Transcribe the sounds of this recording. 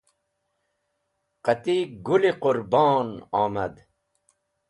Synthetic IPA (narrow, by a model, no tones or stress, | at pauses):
qat̪iɡuliqʊɾbɔːnɑːmɐd̪